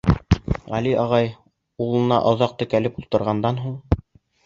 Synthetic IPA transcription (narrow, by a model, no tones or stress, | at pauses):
ʁæliʔɑʁɑj | ulˠɤ̆nɑ̰ʔŏðɑq̚t̪ɵ̆kælɘpulˠt̪ɤ̆ɾʁɑnd̪ɑnɦuɴ